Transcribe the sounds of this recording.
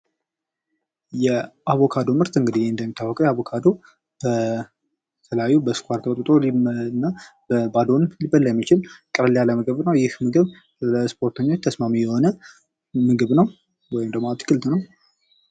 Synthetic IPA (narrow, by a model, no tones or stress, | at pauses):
jɛʔaβo̞kʰad̪o̞mɨɾt̪ɨŋɡɨd̪ijeɨnd̪əmːit̪ʰːawːɔkʼəwjɛaβokʰad̪o | b̥ə | t̪ʰəljajːubəskʷaɾt̪ʰəkət̪ʼut̪ʼo̞linːab̥əbad̪o̞nɨmlibəlːajɛmːit͡ʃɪlkʼɨɾljaləməɡəβnəwjɪhmɨɡɨβ | spʰo̞ɾt̪ʰəɲːo̞t͡ʃːt̪ʰəsmamijɛho̞nə | mɨɡɨβnəw | wɔjɪmd̪əmat̪kʰɨlt̪nəw